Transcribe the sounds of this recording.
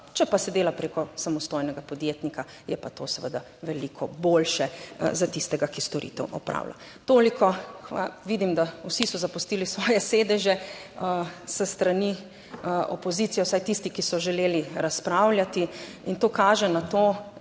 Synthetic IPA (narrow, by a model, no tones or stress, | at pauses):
t͡ʃɛpasɛd̪eːlapɾekɔsamɔst̪ojnɛɡapɔd̪jet̪nika | jɛpat̪osɛʋəd̪a | ʋɛlikʰɔboːlʃɛzat̪ist̪ɛɡakist̪ɔɾḭt̪ɛ̰wʔɔ̰pɾʔa̰ːwla̰ | t̪oːlikɔxʋaʋid̪imd̪awsisɔzapust̪iːlisʋɔːjɛseːd̪ɛʒɛəsəst̪ɾani | ʔɔ̰pɔzit̪sijɛwsajt̪ist̪ikisɔʒɛleːliɾaspɾawlʲjat̪iint̪oːkaːʒɛnat̪oː